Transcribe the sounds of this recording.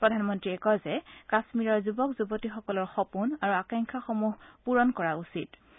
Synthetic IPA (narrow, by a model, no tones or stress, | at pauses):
pɹɔdʱanmɔntɹiɛkɔzɛkasmiɹɔɹzubɔkzubɔtixɔkɔlɔɹxɔpunaɹuakaŋkʰaxɔmuɦpuɹɔnkɔɹausit